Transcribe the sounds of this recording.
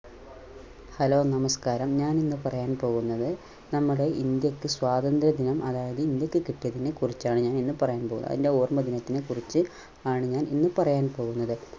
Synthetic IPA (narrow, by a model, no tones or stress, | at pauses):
hɐlo̞ːnɐmɐskaːɾɐmɲaːninːɨpɐrɐjaːnpo̞ːɣunːɐðɨ | nɐmːɐɽe̞ʔind̪jɐkːɨswaːd̪ɐnd̪ɾɐd̪inɐmʔɐðaːjɐðɨind̪jɐkːɨkiʈːijɐðinekurit͡ɕːaːɳɨɲaːninːɨpɐrɐjaːnpo̞ːɣunːɐ̰ðinde̞oːrmɐd̪inɐt̪ːinekurit͡ɕːɨ | aːɳɨɲaːnʔinːɨpɐrɐjaːnpo̞ːɣunːɐðɨ